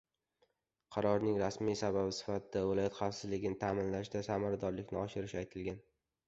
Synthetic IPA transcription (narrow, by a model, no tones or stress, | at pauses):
qʰɑɾɒɾnɪŋɾasmijsababɪsɪ̥fat̪ʰɪd̪avɪlˠɒjɒt̪χɑfsɪzlɪɡʲɪnɪt̪ʰaːmɪnlaʃd̪asamaɾad̪ɒɾlɪkʲnɪɒʃɪɾɪʃajt̪ʰɪlɡʲan